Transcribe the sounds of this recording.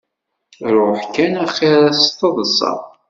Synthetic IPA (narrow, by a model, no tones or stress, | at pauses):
ɾˤʊħkænæχiɾæst̪ˤːəðˤəsˤɑ̰ˤ